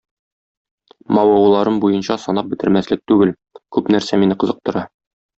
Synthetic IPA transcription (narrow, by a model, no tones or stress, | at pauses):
mɒwɑwlˠɑɾɤmbujɤnɕɑsɒnɑp̚bɘ̆t̪ɘ̆ɾmæslɘk̚t̪ʉɡɘl | kʉpnæɾsæminɘqɤ̆zɤ̆q̚t̪ŏɾɑ